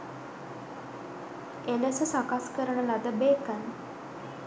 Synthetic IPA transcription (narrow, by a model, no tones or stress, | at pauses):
eləsəsakaskəɾəɳəlad̪əbeːkən